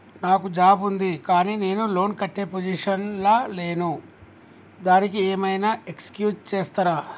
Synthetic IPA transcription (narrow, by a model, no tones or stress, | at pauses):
naːkud͡ʒaːbund̪ikaːniːne̞ːnulo̞ːnkɐʈːeːpod͡ʒiʂɐnlaːle̞ːnu | d̪aːnikieːmɐjnaːekskjuːd͡ʒt͡ʃeːst̪ɐɾaː